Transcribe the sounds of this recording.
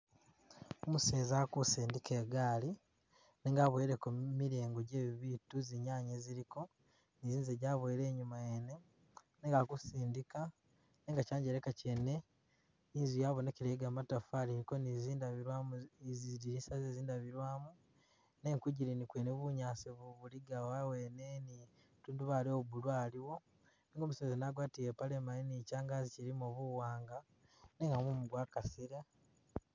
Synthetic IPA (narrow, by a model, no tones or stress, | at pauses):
omuse̞ːzakusiːndike̞ːɡaːli | neŋɡaβweɾekumiɾeːŋɡoɟeβiβituziɲaːɲeziɾiko̞ | niziːzeɟaβweɾe̞ːɲumajene | neŋɡakusiːndika | neŋɡacaːɲɟeɾekacene̞ | niːzujaːβoneciɾeɡamatafaliɾiko̞niziiɾwazizdiɾinsazeːziːndaβiɾwaːmu | ne̞ŋkuɟiɾinikweːneβuɲaːsiβuβuliɡawawe̞ne̞ni | tuːnduβaːlioubulwaːliwo̞ | niŋɡoːmusezenaɡwaːtijepalemaninicaːŋɡaziciɾimuβuwaːŋɡa | neːŋɡamumuɡwakasiɾa